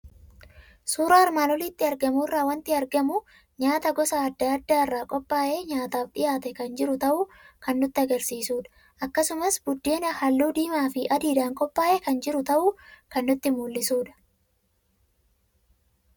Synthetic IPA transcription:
suːɾɐɐɾmaːnɔlɪt̪ːɪɐɾɡɐmuɪrːaːwɐnt̪ɪɐɾɡɐmu | ɲaːt̪ɐɡɔsaːɐd̪ːaɐd̪ːaɪrːaːkʼɔpʼːaːʔe̞ːɲaːt̪aːfᶑɪjaːt̪ɛkɐnd͡ʒɪɾʊt̪ɐʔuːkɐnːʊt̪ːɪɐɡɐɾsiːsuːᶑɐ̥ | ʔɐkːɐsʊmɐsbʊd̪ːeːnɐhɐlːuːd̪iːmaːfɪʔɐd̪iːd̪aːŋkʼɔpʼːaːʔɛkɐnd͡ʒɪɾʊt̪ɐʔuːkɐnːʊt̪ːɪmuːlːɪsuːᶑɐ̥

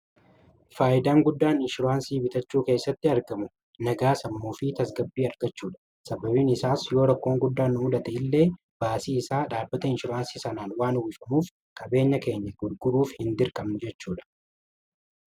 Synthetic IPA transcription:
faːʔɪd̪aːŋɡʊd̪ːaːnɪnʃʊɾʊaːnsiːbɪt̪ɐt͡ʃːuːke̞ːsːɐt̪ːɪɐɾɡɐmʊ | nɐɡaːsɐmːuːfɪt̪ɐs̬ɡɐbːiːɐɾɡɐt͡ʃːuːᶑɐ̥ | sɐbɐbiːnɪsaːsjo̞ːɾɐkːo̞ːŋɡʊd̪ːaːnːʊmʊd̪ɐt̪ɛɪlːe̞ː | b̥aːsiːɪsaːᶑaːbːɐt̪ɐɪnʃɪɾaːnsiːsɐnaːnwaːnʊɡɪfɐmuːf | kʼɐbe̞ːɲːɐke̞ːɲːɐɡʊɾɡʊɾuːfhɪnd̪ɪɾkʼɐmnʊd͡ʒɛt͡ʃːuːᶑɐ̥

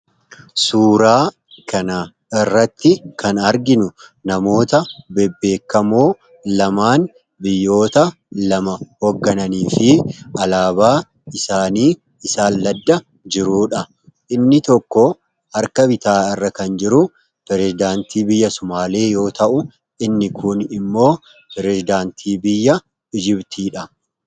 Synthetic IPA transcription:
suːɾaː | kʰɐnɐ | ɪrːɐt̪ːɪkʰɐnɐɾɡɪnʊnɐmo̞ːt̪ɐbɛbːe̞ːkːɐmoː | lɐmaːn | bɪjːo̞ːt̪ɐ | lɐmɐhoɡːɐnɐniːfɪʔɐlaːbaː | ɪsaːniː | ɪsaːlːɐd̪ːɐ | d͡ʒɪɾuːᶑɐ | ʔɪnːɪt̪ɔkːɔ | hɐɾkɐbɪt̪aːɪrːɐkɐnd͡ʒɪɾʊ | pɛɾɛsɪd̪aːnt̪iːbɪjːɐsʊmaːle̞ːjo̞ːt̪ɐʔʊ | ʔɪnːɪkʰʊnɪmːo̞ː | pɛɾɛzɪd̪aːnt̪ʰiːbɪjːɐ | ɪd͡ʒɪbt̪ʰiːᶑɐ

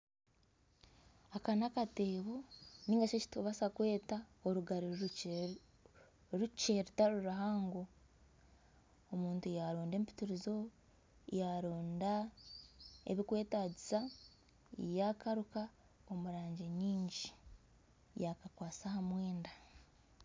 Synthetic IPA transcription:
akanakate̞ːβo̞niːŋɡat͡ʃeci̥toβasakwe̞ːtaoɾuɡaɾi | ɾuceɾitaɾuɾaɦaːŋɡo | omuːntujaɾoːnde̞ːmpi̥tuɾizo̞ | jaɾoːnda | ḛβikwe̞ːtaɟisa | jakaɾuka | omuɾaːɲɟeɲiːɲɟi | jakakwaːsahamweːnda

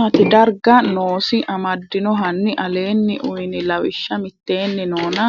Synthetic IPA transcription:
ɐt̪ɪd̪ɐɾɡɐnoːsɪʔɐmɐd̪ːɪnɔɦɐnːɪʔɐle̞ːnːɪʔʊjnɪlɐwɪʃːɐmɪt̪ːe̞ːnːɪnoːnɐ

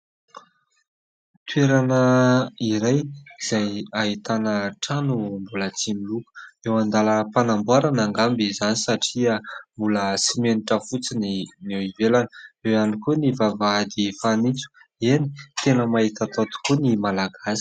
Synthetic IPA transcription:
t̪weɾanəiɾajz̥ajaɦit̪anəʈ͡ʂanumbulət͡similukə̥ewand̪aləpanambwaɾanaŋɡambizanisaʈ͡ʂiəmbuləsimeniʈ͡ʂəfut͡sininewivelanəewanikunivavaad̪ifanit͡su̥eni̥t̪enəmait̪at̪ot̪u̥kunimalaɡasi̥

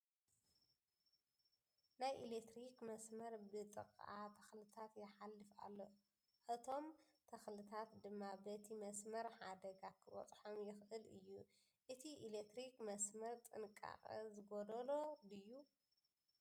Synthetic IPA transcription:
najʔilek̚t̪ɾikmɐsmɐɾbɨt̪ʼɨ̰kʼʔat̪ʰɐxlɨt̪ʰat̪jɛħalːɨfa̰lːo̞ | ʔɨt̪ʰo̞mt̪ʰɐxlɨt̪ʰat̪d̪ɨmːabɐt̪ʰimɐsmɐɾħad̪ɐɡakʰɨβɐ̰t̪ʼħomjɪxʔɨlɨjːu | ʔɨt̪ʰiʔilek̚t̪ɾikmɐsmɐɾt̪ʼɨnkʼa̰χʼɨ̰zɨɡod̪ɐlo̞d̪ɨjːu

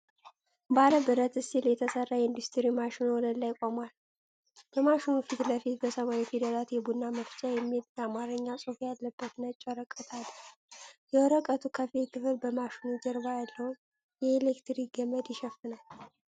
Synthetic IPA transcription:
baɾəbɨɾət̪ɨsiljɛt̪ʰəsərːajɛɨnd̪ust̪ʰɨɾimaʃinwɔnəlajkʼomal | bəmaʃinufit̪ləfit̪bəsəmaɾifid̪əlat̪jɛbunːaməft͡ʃʼajɛmːiet̪̚jɛamaɾɨɲːasʼufjalːəbːət̪nət͡ʃʼːɔɾəkʼːət̪ʰal | jɛwɔɾəkʼət̪ʰukʰəfekʰɨfɨlbəmaʃinud͡ʒəɾβajalːəwu | jɛelekt̪ɾiɡəməd̪jɪʃɛfːɨnal

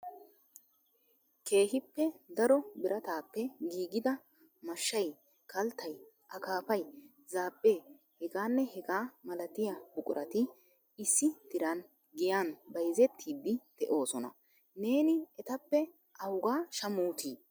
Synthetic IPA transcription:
kʰe̞ːɦɪpːɛd̪ɐɾɔbɪɾɐt̪aːpːɛɡiːɡɪd̪ɐ | mɐʃːɐj | kɐlt̪ːɐj | ʔɐkaːpɐj | zaːpʼːeː | hɛɡaːnːɛhɛɡaːmɐlɐt̪ɪjabʊkʼʊɾʔɐt̪ɪ | ɪsːɪd̪ɪɾɐn | ɡɪjaːnbɐjzɛt̪ʰːiːd̪ːɪd̪̥ɛʔo̞ːsɔnɐ̰ | ne̞ːnɪɛt̪ɐpːɛ | ʔɐwʊɡaːʃɐmuːt̪ʰiː

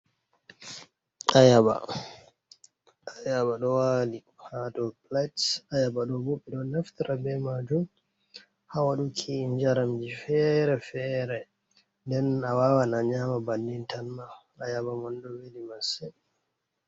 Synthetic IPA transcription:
ajaba̰ | ajaɓaɗɔwalihatɔplatsajabaɗɔboɓːɛɗɔnaftiɾabɛmad͡ʒum | hawaɗukʰind͡ʒaɾamd͡ʒifɛɾɛfɛɾɛ | ndɛnawawanaɲamabandintʰanːa | ajabamandɔwelimasɛ

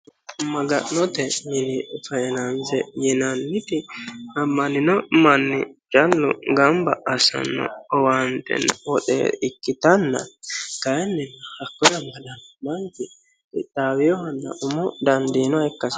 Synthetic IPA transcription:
mɐɡɐ̰ʔnɔt̪ɛmɪnɪfɐɛnɐnzɛjɪnɐnːɪt̪ɪɐmːɐnɪnɔmɐnːɪ̰t͡ʃʼɐlːʊ̰ɡɐmbɐʔɐsɐ̰nːɔ̰ɔwant̪ɛ̰nwɔɗɛ̰ɪkːɪt̪ɐnːɐ̰kɐjɛnːɪnːɐhɐkːɔjɐmːɐd̪ɐnmɐŋkɪ | ɪd̪aːwɪjɔhɐnːɐ̰ʔʊmɔd̪ɐnd̪inɔɛkːɐs

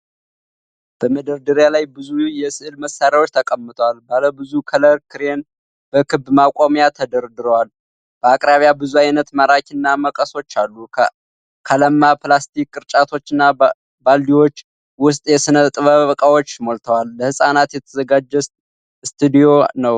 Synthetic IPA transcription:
b̥əməd̪əɾd̪əɾjalajbɨzujɛsɨʔɨlməsːaɾjawo̞t͡ʃːt̪ʰəkʼəmːɨt̪ʰʼəwalbaləbɨzukʰələɾkʰɨɾen | b̥əkʰɨbmakʼomjat̪ʰəd̪əɾd̪ɨɾəwal | b̥əakʼɾaβjabɨzuajnət̪maɾakʰɨnːaməkʼəso̞t͡ʃːalːu | kʰaləmːaplast̪ʰikːʼɨɾt͡ʃʼat̪ʰo̞t͡ʃːɨnːa | balːiwo̞t͡ʃː | wʊs̬t̪ʼjɛsɨnət̪ʼɨβəβkʼawo̞t͡ʃːmo̞lt̪ʰəwalːəhɨsʼanat̪jɛt̪ʰəzəɡad͡ʒːɛs | st̪ʰɨd̪ijo̞nəw

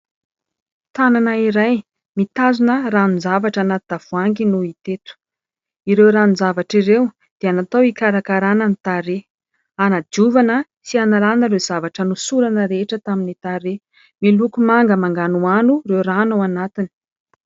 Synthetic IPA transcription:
t̪ananaiɾaj | mit̪azunəɾanunzavaʈ͡ʂanat̪d̪av̥uaŋɡinuit̪et̪u̥ | iɾewɾanuzavaʈ͡ʂiɾew | d̪̥eanat̪awikaɾakaɾanənit̪aɾe | anad͡ʒ̪uvanə | sianalanəɾezavaʈ͡ʂənusuɾanəɾeʈ͡ʂət̪aminit̪aɾe | milukumaŋɡəmaŋɡanuanurewranawanat̪ini̥

